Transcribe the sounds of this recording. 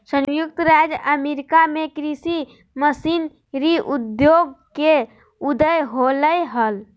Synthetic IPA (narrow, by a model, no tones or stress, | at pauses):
sə̃njuk̚t̪ɾad͡ʒəmeɾikamekɾisi | məsin | ɾiʔud̪joɡ̚ke | ud̪əjɦoləjɦəl